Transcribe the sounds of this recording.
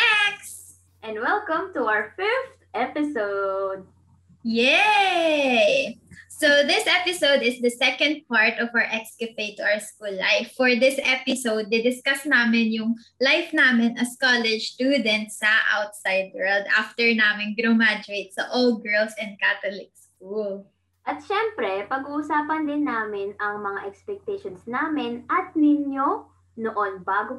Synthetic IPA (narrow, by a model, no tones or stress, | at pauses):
ɛks | ʔɛ̃ndwɛlkə̃mt̪uawəfɪɹft̪ʔɛpɪsoʊd̪̚ | jɛ | soðɪsʔɛpɪsowd̪ɪsd̪ɐsɛkɐ̃nd̪̚paɹt̪ɔvawəɹʔɛkskɛpeɪt̪ʊʔawəskulːa̰ɪfːɔɹd̪ɪsʔɛpɪsowd̪̚ːɪd̪ɪskɐsnaːmɪnjʊŋlajfnaːmɪnɐskɔlɛd͡ʒst̪uːd̪ɛnt̪sɐʔa̰wt̪̚sajd̪̚wɛld̪ʔa̰ft̪ɛɹnaːmɪnɡɾomad͡ʒɾejt̪̚sɐʔold̪̚ɡɛɹlsɛ̃nd̪̚kat̪olɪk̚skul | ʔɐt̪̚ʃɛmpɾɛpɐɡuʔusaːpɐnd̪ɪnːaːmɪnɐŋmɐŋaʔɛkspɛk̚t̪ɛʃonsnaːmɪnɐt̪̚nɪɲjo | noʔonbaːɡo